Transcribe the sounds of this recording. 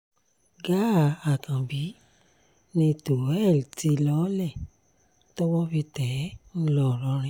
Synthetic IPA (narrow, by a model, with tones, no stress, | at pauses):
ɡa˦a˨a˨kã˨bi˨˦ | nĩ˧to˨ɛ˦˨ti˧lɔ˦lɛ˦˨ | to˦wɔ˦bi˧tɛ˨˦n̩˦lɔ˧˨ɾɔ˨˦ɾ̃ĩ˧